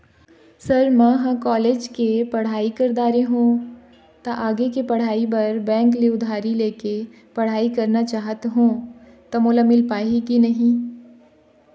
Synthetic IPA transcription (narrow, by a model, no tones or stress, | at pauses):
sɐɾmãɦãkɔːleːd͡ʒkepɐɽ̤aːikɐɾd̪aːɾeɦũː | t̪aʔaːɡekepɐɽ̤aːibɐɾbɛ̃ːŋk̬leʊd̪ʱaːɾileːke | pɐɽ̤aːikɐɾnat͡ʃaːɦət̪ɦũː | t̪ɐmoːlamɪlpaːikinɐɦĩ